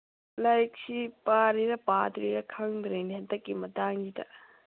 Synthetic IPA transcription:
lajk̚sipaɾiɾɐpat̪ɾiɾɐkʰɐŋdɾeniɦɐtːɐkːimɐtaŋd͡ʒitɐ

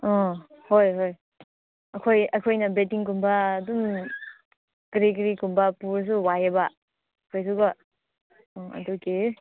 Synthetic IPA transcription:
ɔ | hojɦoj | ɐkʰojɐkʰojnɐbetiŋkumbɐːdum | kɐɾik̬ɐɾikumbɐpuɾs̬uwajɐbɐ | kʰojs̬uɡɐ | ɐ̰duke

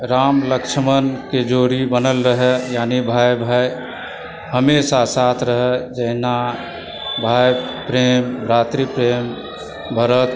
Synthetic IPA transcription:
ɾamləkʃʰəmənked͡ʒoɾibənəlɾəɦɛjaːnibʱajbʱaj | həmesasat̪ʰɾəɦɛd͡ʒəɦna | bʱajpɾembɾat̪ɾipɾem | bʱəɾət̪

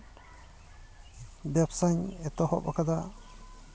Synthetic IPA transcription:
bɛpsaɲɛt̪ɔhɔ̰ʔba̰kad̪a

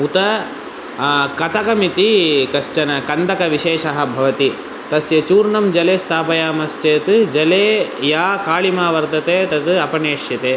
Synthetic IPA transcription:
ut̪ɐ | kɐt̪ɐkɐmit̪ikɐʃt͡ʃɐnɐkɐnd̪ɐkɐʋiʃeːʂɐɦɐ̆bʱɐʋɐt̪i | t̪ɐsjɐt͡ʃuːɾnɐmd͡ʒɐleːst̪ʰaːpɐjaːmɐst͡ʃeːt̪ɨd͡ʒɐleːjaːkaːɭimaːʋɐɾt̪ɐt̪eːt̪ɐt̪ɨɐpɐneːʂjɐt̪eː

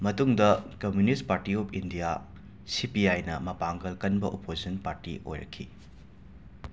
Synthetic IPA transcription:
mɐtuŋdɐkɐmjunispaɾtiopʰindija | sipiajnɐmɐpaŋɡɐlkɐnbɐʔopʰosɐnpaɾtḭo̰jɾɐ̰kʰːḭ

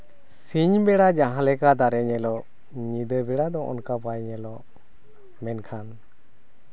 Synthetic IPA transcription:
siɲbɛɽad͡ʒaɦãlɛkad̪aɾɛɲɛlɔ | ɲid̪əbɛɽad̪ɔʔɔ̰nkabajɲɛlɔ | mɛnkʰan

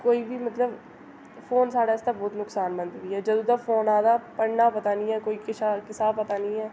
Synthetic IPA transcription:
koːiːbʱiːmət̪ləb | foːnsaːɽaːɪst̪aːbɔːt̪nʊksaːnbə̃nd̪ʋiːɦɛːd͡ʒəd̪ũːd̪afʰoːnaːd̪aːpəɽnaːpɐt̪aːnĩːɦɛːkoːikɪsakɪsaːpət̪aːnĩːɛː

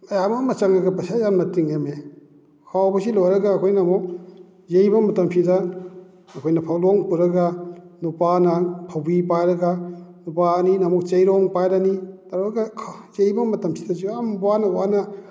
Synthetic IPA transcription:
ɐjamɐmɐt͡ʃaŋɾɐɡɐbɐsajanmɐtiŋeme | kʰawbɐsilojɾɐɡaːkʰojnɐmɔk̚ | zejbɐmɐtɐmsidɐ | ɐkʰojnɐpʰawlɔŋpuɾɐɡanupanɐpʰawbipajɾɐɡanupaninɐmɔk̚t͡ʃejɾɔŋpajɾanitaɾɾɐɡakʰzejbɐmɐtɐmsidɐziambwanɐwanɐ

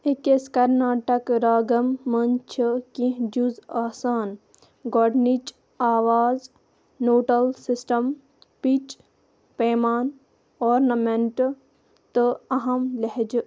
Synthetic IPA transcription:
ekeskɐɾnaːʈɐkɾaːɡɐmːɐnt͡ʃʰəkĩɦd͡ʒuzaːsaːn | ɡoɖnit͡ʃ | aːʋaːz | noːʈɐlsisʈɐm | pit͡ʃ | peːmaːn | ɔːɾnɐmẽɳʈ | t̪ɨɐɦɐmlɐɦed͡ʒ

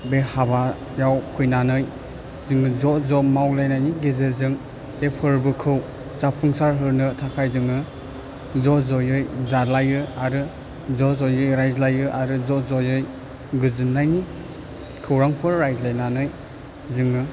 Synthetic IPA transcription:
behaba | jawpʰɯjnanɯj | zɯŋɯzɔzɔmawlajnajniɡezezɯŋ | epʰɯɾbɯkʰɯw | zapʰɯŋsaɾɦɯɾnɯtʰakʰajzɯŋɯ | zɔzɔjɯjzalajɯaɾɯ | zɔzɔjɯjɾajzlajɯʔaɾɯzɔzɔjɯj | ɡɯzɯnːajni | kʰɯwɾaŋpʰɯɾːajzlajnanɯj | zɯŋɯ

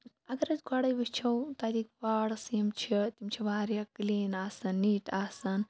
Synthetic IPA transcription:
ɐɡɐɾɐt͡sɡʱaːɽɐjbɐt͡ʃʰɐwt̪aːɾiːkʋaːɽsiɐmt͡ʃʰit̪ʲimt͡ʃʰiʋaːɾjakliːnaːsɐnːiːʈaːsɐn

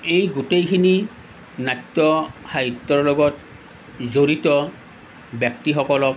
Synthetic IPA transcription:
ejɡutejkʰini | natːɔxaɦitːɔɹlɔɡɔt̚ | zoɹitɔ | bjɔk̚tixɔkɔlɔk̚

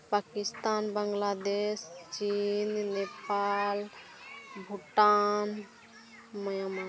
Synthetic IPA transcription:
pakist̪anbəŋɡlad̪est͡ʃinnepal | bʱuʈan | məjama

